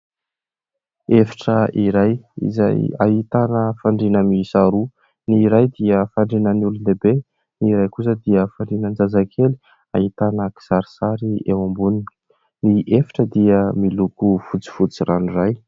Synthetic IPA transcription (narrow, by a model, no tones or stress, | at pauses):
efi̥ʈ͡ʂəʔiɾajḭza̰ja̰ɦit̪anəfaɳɖ͡ʐinəmisaɾu | niɾajd̪iəfaɳɖ͡ʐinəniulund̪ebe | niɾajkus̬əd̪iəfaɳɖ͡ʐinənd͡zazakʰeli̥ | a̰it̪anəki̥saɾi̥saɾiewambunin | niʔefi̥ʈ͡ʂəd̪iəmilukufut͡si̥fut͡sirʔanuraj